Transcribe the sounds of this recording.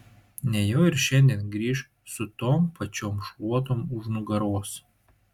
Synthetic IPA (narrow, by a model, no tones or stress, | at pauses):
nʲɛjoːɪɾʃʲɛnʲd̪ʲiɛnɡɾʲiːʃ | sʊt̪oːmpɐt͡ʃʲoːmʃʋuɔt̪oːmʊʒnʊɡɐɾoːs